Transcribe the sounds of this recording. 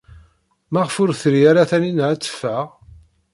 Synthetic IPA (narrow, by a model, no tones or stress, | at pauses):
mæʁəfʊɾθɾijaɾaθæninʕæt͡sːə̥fːæʁ